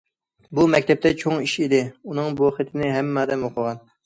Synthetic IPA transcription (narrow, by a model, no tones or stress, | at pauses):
bumɛkʲt̪ʰɛp̚t̪ɛt͡ʃʰoŋiʃid̪ɪunɨŋboχət̪ʰɪnɪɦɛmːɑːd̪ɛmoqʰʊʁɑn